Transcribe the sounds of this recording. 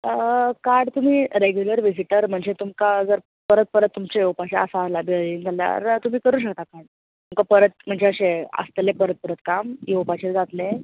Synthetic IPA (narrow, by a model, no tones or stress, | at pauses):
əkaɾɖt̪um̤iːɾeɡjuləɾʋid͡ziʈəɾm̤əɳd͡zet̪umkad͡zəɾ | pəɾət̪̚pəɾət̪ːumt͡ɕeewpat͡ɕjaəsalabiəind͡zalja̰ɾt̪um̤iːkəɾuːɕ̬ək̚t̪akaɽ | t̪umkapəɾət̪̚m̤əɳd͡zeəɕeə̰st̪lepəɾət̪̚pəɾət̪kamjewpat͡ɕeɾd͡zat̪le